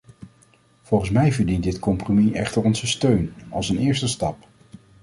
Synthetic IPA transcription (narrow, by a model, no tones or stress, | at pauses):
v̥ɔlˠχənsmɛjvəɹdint̚dɪtkɔmpromiʔɛχtəɹɔnzəstøɥnɑlˠsənɪːɹstəstɑp